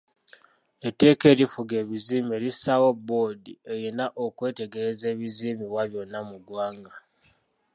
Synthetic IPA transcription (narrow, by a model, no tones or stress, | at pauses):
e̞tːe̞ːke̞ɾifuɡe̞ːβiziːme̞lisawo̞bːo̞die̞jenaʔokwe̞ːte̞ɡe̞ɾeze̞ːβiziːmiβwaβjo̞nːamuɡwaːŋɡa